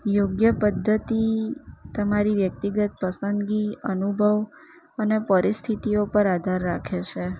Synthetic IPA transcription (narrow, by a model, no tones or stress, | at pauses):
joɡjəpəd̪ʱːət̪it̪əmaɾiʋjək̚t̪iɡət̪̚pəsənd̪ɡiənubʱəʋ | ənepəɾist̪ʰit̪iopəɾad̪ʱaɾːakʰet͡ʃʰe